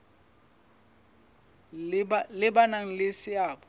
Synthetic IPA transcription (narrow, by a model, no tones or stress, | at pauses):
blɪbanaŋ̩lesɪaːbɔ